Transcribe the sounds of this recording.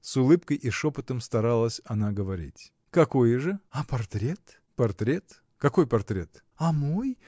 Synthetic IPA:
sʊlˠɨpkəjʔɪʂopət̪əmst̪ɐɾalˠəsʲɐnaɡəvɐɾʲḭtʲ | kɐko̞jʐɨɐpɐrt̪ɾʲe̞t̪ | pɐrt̪ɾʲe̞t̪ | kɐko̞jpɐrt̪ɾʲe̞̰t̪ | ɐmoj

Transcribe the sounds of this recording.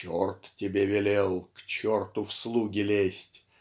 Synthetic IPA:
ort̪tʲɪbʲevʲɪlʲelˠkt͡ɕort̪ʊfslˠuɡʲɪlʲesʲtʲ

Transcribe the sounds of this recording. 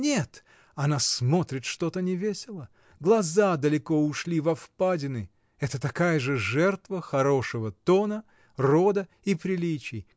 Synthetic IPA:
nʲet̪ | ɐnasmo̞t̪ɾʲɪt̪ʂt̪o̞t̪ənʲɪvʲesʲɪlˠə | ɡlˠɐzad̪əlʲɪko̞ʊʂlʲivɐfpadʲɪnɨ | ɛt̪ət̪ɐkajəʐɨʐɛrt̪vəxɐɾo̞ʂɨvət̪o̞nə | rod̪ə | ipɾʲɪlʲit͡ɕɪj

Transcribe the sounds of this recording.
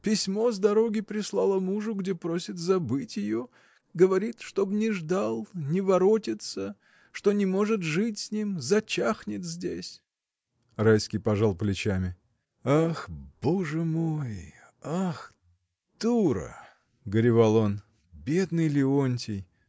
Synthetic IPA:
pʲɪsʲmo̞zd̪ɐɾo̞ɡʲɪpɾʲɪslˠɑlˠəmuʐʊɡdʲepɾo̞sʲɪt̪zɐbɨtʲjɪjo̞ | ɡəvɐɾʲit̪ʂt̪o̞bnʲɪʐd̪alˠnʲɪvɐɾo̞tʲɪt̪sə | ʂt̪o̞nʲɪmo̞ʐɨt̪ʐɨtʲsʲnʲimzɐt͡ɕaxnʲɪt̪zʲdʲḛsʲ | rajskʲɪjpɐʐɑlˠplʲɪt͡ɕamʲɪ | axb̥oʐɨmoj | ax | d̪̥uɾə̰ | ɡəɾʲɪvalˠo̞n | bʲe̞d̪nɨjlʲɪonʲtʲɪj

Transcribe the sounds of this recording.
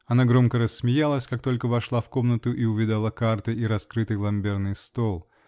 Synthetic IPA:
ɐnaɡɾo̞mkəɾəsːmʲɪjalˠəsʲkak̚t̪o̞lʲkəvɐʂlˠafko̞mnət̪ʊʔiʊvʲɪd̪alˠakart̪ɨiɾɐskɾɨt̪ɨjlˠɐmbʲernɨjst̪o̞lˠ

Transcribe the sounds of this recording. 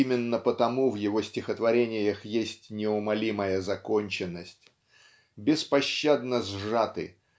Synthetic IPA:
imʲɪnːəpət̪ɐmuvjɪvo̞sʲtʲɪxət̪vɐɾʲenʲɪjəxjesʲtʲnʲɪʊmɐlʲiməjəzɐkonʲt͡ɕɪnːəsʲtʲ | bʲɪspɐɕːad̪nəzʐat̪ɨ̰

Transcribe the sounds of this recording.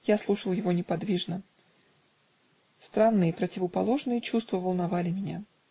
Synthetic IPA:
jaslˠuʂəlˠjɪvo̞nʲɪpɐd̪vʲiʐnə | st̪ɾanːɨjəpɾətʲɪvəpɐ̰lˠo̞ʐnɨjət͡ɕust̪vəvəlˠnɐvalʲɪmʲɪnʲa

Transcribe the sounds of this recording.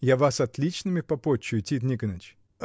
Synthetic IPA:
javasɐt̪lʲit͡ɕnɨmʲɪpɐpot͡ɕːʊjʊtʲit̪nʲikənət͡ɕ

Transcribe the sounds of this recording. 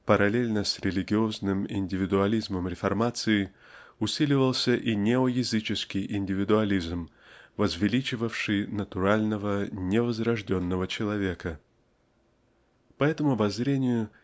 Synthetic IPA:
pəɾɐlʲelʲnəsʲɾʲɪlʲɪɡʲɪo̞znɨmɪ̰nʲdʲɪvʲɪd̪ʊɐlʲizməmɾʲɪfɐrmat̪sɨɪ | ʊsʲilʲɪvəlˠsʲəʔinʲɪojɪzɨt͡ɕɪskʲɪjʔɪnʲdʲɪvʲɪd̪ʊɐlʲizm | vəzvʲɪlʲit͡ɕɪvəfʂɨjnət̪ʊɾalʲnəvənʲɪvəzɾɐʐdʲo̞nːəvət͡ɕɪlˠɐvʲe̞kə | pɐɛt̪əmʊɐbɐzɾʲenʲɪjʊ

